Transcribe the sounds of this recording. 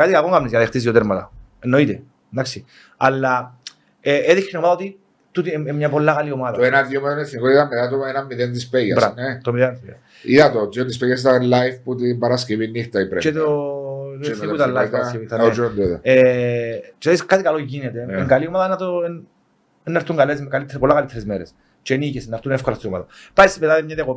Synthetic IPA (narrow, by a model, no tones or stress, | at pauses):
kat̪ikalɣoŋɡamnisaðiχt̪isjot̪eɾmat̪aenːoit̪e | nːaksi | alːa | eeðikːinomaðaot̪i | t̪ut̪iemɲapolːaɣaliomaðenaðjomet̪nefinikoit̪amːet̪at̪̬oenamːiðent̪ispejabsɾaet̪omiðenispeja̰ | iðat̪ozont̪ispejas̬it̪alːajfput̪impaɾaskiβinːixt̪aipɾet͡ʃet̪o | ipuit̪alːaifɾskevit̪aond̪eðee | t͡ʃðiskat̪ikaloʝinet̪eeŋɡaliomaðanat̪o | enːaɾt̪ːuŋɡalezkalit̪ʰːpolːakalit̪ʰːɾezmeɾes | t͡ʃenicesenːaɾt̪unefkolast̪ioma̰ðɐpaismet̪aðimɲat̪ko